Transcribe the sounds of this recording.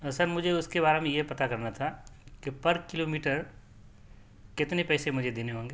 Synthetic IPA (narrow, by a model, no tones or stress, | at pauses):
sɐɾmʊd͡ʒʱeʊskebaːɾemẽjepɐt̪akɐɾnat̪ʰakipɐɾkɪloːmiːʈəɾ | kɪt̪nepɛːsemʊd͡ʒʱed̪eneɦõːŋɡe